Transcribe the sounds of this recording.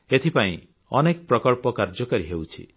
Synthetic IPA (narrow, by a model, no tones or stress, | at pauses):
et̪ʰipaĩ | ɔnekpɾɔkɔɭpɔkaɾd͡ʒɔkaɾiɦewt͡ʃʰḭ